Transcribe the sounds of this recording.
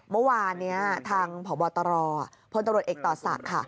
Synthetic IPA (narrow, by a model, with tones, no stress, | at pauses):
mɤ˦˥waː˧nːi˦˥ɐt̪ʰaː˧ŋpʰɔː˩˦bɔː˧t̪ɔː˧ɾɔː˧a˨˩ | pʰo˧nt̪a˧mɾu˨˩t̪̚ʔeː˨˩k̚t̪ɔː˨˩sa̰˨˩kʰːa˥˩